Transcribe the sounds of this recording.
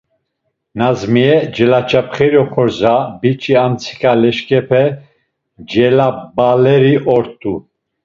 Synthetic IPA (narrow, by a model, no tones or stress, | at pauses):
nazmiɛd͡ʒɛlat͡ʃʰʼapχɛɾiɔχɔɾzabit͡ʃʼiant͡sʰi̥kʰʼalɛʃkʼɛpʰɛ | d͡ʒɛlabalɛɾiʔɔɾt̪ʼu